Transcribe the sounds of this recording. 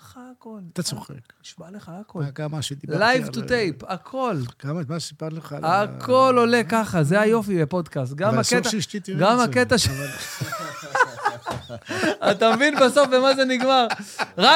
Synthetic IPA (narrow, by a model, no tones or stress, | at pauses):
χakolt̪at͡soχḛkiʃbaleχaakolɡamaʃt̪ilajvt̪ut̪ejpakʰo̞lɡ̥ammaipatleχaakʰo̞lo̞lekaχazeajo̞fibepo̞d̪kas̬t̪̚ɡamakeaiɡamaket̪aʃ | at̪amevinbaso̞fbemazeniɡmaʁʁa